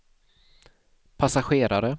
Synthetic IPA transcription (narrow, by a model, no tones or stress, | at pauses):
pʰasaɧeːɾaɾə